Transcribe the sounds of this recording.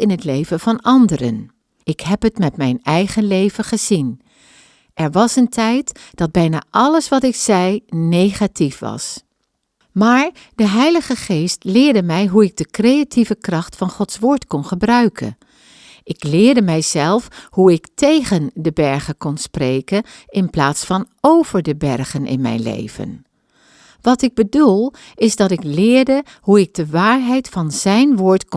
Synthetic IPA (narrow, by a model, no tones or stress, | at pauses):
ɪnɦətlejvənv̥ɑnɑndərə̰n | ɪkɦɛpɦətmɛtmɛjnɛjχənlejvəχəz̥in | ʔɛɹʋɑsəntʰɛjtd̥ɑd̚bɛjna̰ːʔɑləsʋɑtɪksɛjnejχatifʋɑ̰s | maːɹ | dəɦɛjləχəχeːstlɪːɹdəmɛjɦuɪɡ̚dəkrejativəkrɑχtfɑnχɔtsʋoːɹtkɔnχəbrœɥkʰə̰n | ʔɪklɪːɹdəmɛjzɛlˠfɦuɪktejχəndəbɛɹχəkɔnsprejkən | ɪnplaːtsfɑnowv̥əɹdəbɛɹχənʔɪ̰nmɛ̰jnlḛjv̥ə̰n | ʋɑtɪɡ̚bədulˠ | ɪzdɑtɪklɪːɹdə | huɪk̚dəʋaːɹɦɛjtfɑnz̥ɛjnʋʊːɹtk